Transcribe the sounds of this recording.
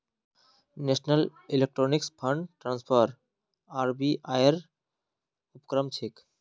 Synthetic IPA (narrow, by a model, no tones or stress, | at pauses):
nesnəlilek̚ʈɾonikspʰəɳɖʈɾanspʰəɾ | aɾbiʔajeɾ | upkɾəmt͡ɕʰek